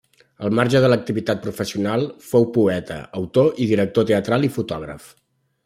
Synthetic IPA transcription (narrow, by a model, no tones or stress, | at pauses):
əlˠmaɾʒəðələk̚t̪iβit̪at̪̚pɾufəsiunalˠfowpuɛt̪ə̰əwt̪oʔiðiɾək̚t̪ot̪eət̪ɾalˠifut̪ɔɣ̞ɾə̰f